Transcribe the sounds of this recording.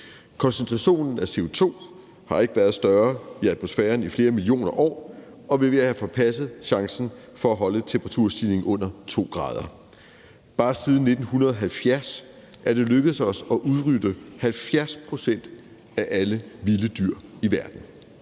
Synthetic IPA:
kʰɒ̽nsent͡sʰʁɑɕo̝̰ːnn̩æse̝o̝t͡sʰo̝̰ː | hɑ̈e̝ɡ̥əʋæɐðˠsd̥ɶɐiæd̥mo̝sfɛːɐnifle̝ːɐmilio̝̰ːnɐʔɒ̰ː | ɒ̽ʋe̝ʋe̝æhæfɒ̽pʰæsð̩ˠɕɑ̈ŋsn̩fɒ̽æɦɒ̽lət͡sʰempʰʁɑt͡sʰuɐ̰sd̥ile̝ŋʔɔ̽n̰ɐt͡sʰo̝̰ːɡ̥ʁɑ̰̈ːð̞ˠɐ | b̥ɑ̈ːsið̞ˠn̩nːe̝d̥n̩hunɐð̞̩ˠɒɦælfjæɐs | ʔæɐd̥e̝løɡ̥əð̩ˠsɒ̽sɒ̽ʔuðˠʁydəhælfjæɐspʰʁo̝sen̰d̥ | æʔæləʋiləd̥yɐ̰iʋæɐd̥n̩

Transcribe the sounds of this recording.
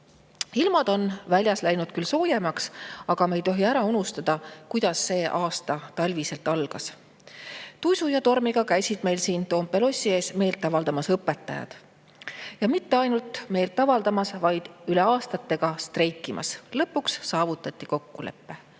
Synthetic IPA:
ilmɑd̪̥o̞nvælʲjɑslæjnud̪̚kylso̞ːjemɑksɑɡ̥ɑmejt̪o̞ɦiæɾɑunust̪ɑd̪̥ɑkujd̪̥ɑsːe̞ːʔɑːst̪ɑt̪ɑlʲvise̞lt̪ˑɑlɡ̥ɑs | t̪ujsujɑt̪o̞rmiɡ̥ɑkæjsid̪̥me̞jlsiːnt̪o̞ːmpe̞lo̞sʲie̞ːsme̞ːjlt̪ːˑɑvɑld̪ɑmɑsɤpːˑe̞t̪ːˑɑ̰jɑ̰d̪̥ | jɑmit̪ːe̞ɑjnult̪ˑme̞ːlt̪ːˑɑvɑld̪ɑmɑsvɑjd̪̥yle̞ɑːst̪ɑt̪ːe̞ɡ̥ɑst̪re̞jkːˑimʔɑ̰slɤpːˑuksːɑːvut̪ˑːɑt̪ʲːˑiko̞kːule̞̰pːe̞

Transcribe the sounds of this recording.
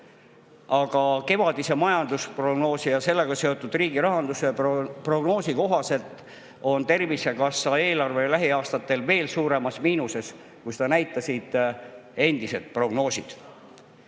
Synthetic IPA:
ɑɡ̥ɑke̞vɑd̪̥ise̞mɑjɑnd̪uspro̞ɡno̞ːsijɑse̞lːe̞ɡ̥ɑse̞o̞t̪ːˑud̪̥riːɡ̥iɾɑɦɑnd̪usepro̞ɡno̞ːsiko̞ɦɑse̞lt̪ˑ | o̞nt̪e̞rvisekɑsːɑe̞ːlɑrve̞læɦiɑːst̪ɑt̪ːˑe̞lve̞ːlsuːɾe̞mɑsmiːnuse̞s | kujst̪ɑnæjt̪ːˑɑsid̪̥e̞nd̪̥ise̞d̪̥̚pro̞ɡ̥no̞ːsid̪̥

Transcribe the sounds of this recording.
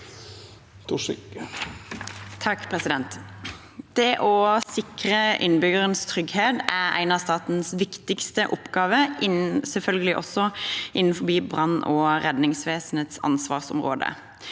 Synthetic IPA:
t̪ | t̪ʰɑkːpʰʁɛsɪd̪ɛnt̪ | d̪̥ɛʔɔsɪkʁəʔɪ̰nːbʏɡəʁənst̪ʰɾʏɡheːd̪æʁæ̰ɪnɑst̪ɑːt̪n̩sʋɪkt̪ɪkst̪əʔʊpɡɑːʋəʔɪnsɛlfœlɡəlɪʔɔsɔʔɪnːn̩fɔbiːbʁɑnːɔːɾɛd̪nɪŋsʋeːsn̩heːt̪sɑ̰nsʋɑ̰ːʁsʊ̰mʁo̰ːd̪ə̰

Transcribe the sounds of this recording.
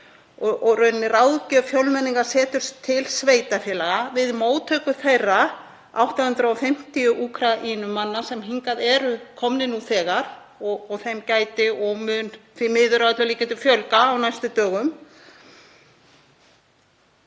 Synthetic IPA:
ɔʔɔrœɥnːɪrawðcœfjœlmɛnːiŋkḁsɛːt̪ʏɾ̥st̪ʰːɪlsveːjt̪afjɛːlaɣavɪðmoːwt̪ʰœːkʏθejrːa | a̰wht̪ahʏnt̪ɾaɔfɪm̥t̪ijʏʔuːkʰɾaʔiːnʏmːanːasɛmɦiŋkaðɛɾʏkʰɔmnɪnuθɛːɣaɾ | ɔɔɣθejmcaːjt̪ɪɔɣmʏnθvimɪːðʏɾavat̪laliːcant̪ʏfjœlkaːwnajst̪ʏt̪œːɣʏm

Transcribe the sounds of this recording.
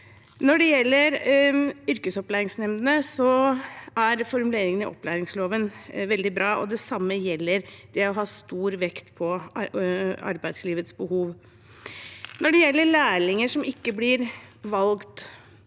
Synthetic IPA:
nɔɖɛjɛlːəɾ | ʏɾkəsɔplæːɾɪŋsnɛmnəsɔ | æɾfɔɾmʉleːɾɪŋənɪʔɔ̰pːlæːɾɪŋsloːʋənʋɛld̪ɪbɾɑːʔɔd̪ɛsɑmːəjɛlːəɾd̪̥ɛɔɦɑːst̪uːɾʋɛkt̪pʰɔ | ɑ̰ɾbæɪd̪sliːʋət̪sbəhuːʋ | nɔɖɛjɛlːəɭæːɭɪŋəʂɔmɪkːəblɪɾʋɑlɡt̪

